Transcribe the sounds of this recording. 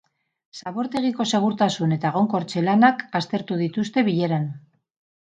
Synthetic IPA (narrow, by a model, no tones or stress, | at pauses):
saβo̞ɾt̪e̞ɣ̞iko̞se̞ɣ̞uɾt̪asune̞t̪aɣ̞o̞ŋko̞ɾt͡ʃe̞lanakast̪e̞ɾt̪uð̞it̪ust̪e̞βiʎe̞ɾan